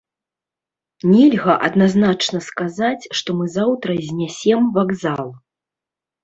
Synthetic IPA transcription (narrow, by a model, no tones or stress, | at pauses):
nʲɛlʲɣɐʔɐ̰d̪naznat͡ʂn̪ɐskazat͡sʲʂt̪ɔmɨzawt̪ɾɐzʲnʲɛsʲɛmvaɡzalˠ